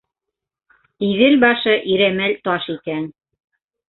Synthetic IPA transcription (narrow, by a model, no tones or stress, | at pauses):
iðɘlbɑʃɤʔiɾæmælt̪ɑʃikæn